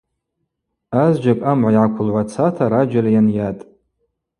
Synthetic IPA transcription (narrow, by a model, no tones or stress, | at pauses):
azd͡ʒakʼamʕajʕakʷʰʊlʕʷat͡sʰatʰaɾad͡ʒalajanjatʼ